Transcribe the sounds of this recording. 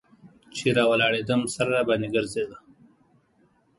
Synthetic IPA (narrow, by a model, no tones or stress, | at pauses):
t͡ʃeɾɑwalɑɽed̪əmsaɾabaniɡəɾzed̪a